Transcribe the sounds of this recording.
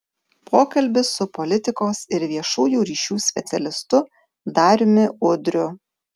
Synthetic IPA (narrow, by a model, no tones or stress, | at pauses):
pʰoːkɐlʲbʲɪsʊpɔlʲɪt̪ʲɪkoːsɪɾʋʲiɛʃuːjuːɾʲiːʃʲuːsʲpʲɛ̰t̪sʲɛlʲɪst̪ʊ | d̪ɐɾʲmʲɪʊd̪ʲɾʲʊ